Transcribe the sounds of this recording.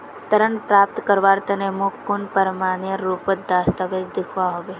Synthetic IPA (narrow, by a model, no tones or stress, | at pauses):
t̪əɾənpɾaːp̚t̪kəɾʋaːɾt̪ɐnemʊkkːʊnpəɾmaːnijəɾuːpət̪̚d̪aːst̪aʋed͡ʒd̪ɪkʰʋaɦoːʋeː